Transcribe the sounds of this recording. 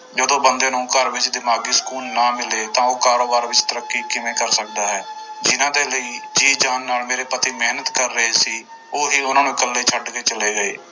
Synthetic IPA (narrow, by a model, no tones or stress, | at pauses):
d͡ʒəd̪õːbənd̪ẽːnũːkəɾʋɪt͡ʃd̪ɪmaːɡiːsə̥kuːlnaːmɪleːt̪ãːoːkaːɾoːbaːɾʋɪt͡ʃt̪əɾəkːiːkɪmẽːkəɾsək̚d̪aːɦɛːd͡ʒɪnãːd̪eːləiːd͡ʒiːd͡ʒaːnːaːlmeːɾeːpət̪iːmɛːnət̪kəɾːəeːsiː | oːɦiːʊnãːnũːkəlːeːt͡ʃʰəɖkeːt͡ʃəleːɡəeː